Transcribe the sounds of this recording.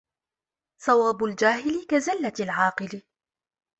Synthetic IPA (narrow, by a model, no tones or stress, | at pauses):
sˤɑwaːbʊld͡ʒaːɦɪlɪkazalːaalʕɑːqɨlɪ